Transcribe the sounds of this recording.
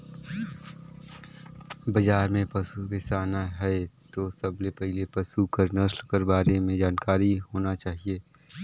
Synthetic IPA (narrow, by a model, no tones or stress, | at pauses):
bɐd͡ʒaːɾmẽpɐsukesaːnaɦɛet̪osɐblepɛɦlepɐsukɐɾnɐslkɐɾbaːɾemẽd͡ʒaːnkaːɾiɦoːnat͡ʃaːɦieː